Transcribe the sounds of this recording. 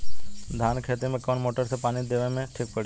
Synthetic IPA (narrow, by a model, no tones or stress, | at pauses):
d̪ʱaːnkʰeːt̪imẽkoːnmoːʈəɾsepaːnid̪eːʋemẽʈʰik̚pəɽi